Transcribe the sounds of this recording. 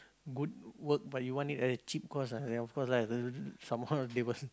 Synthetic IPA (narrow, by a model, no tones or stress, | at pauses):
ɡud̚wək̚bat̚juwɔ̃ntitɛtət͡ʃip̚kɔsadɛ̃nɔfkɔslaəsãmadewəs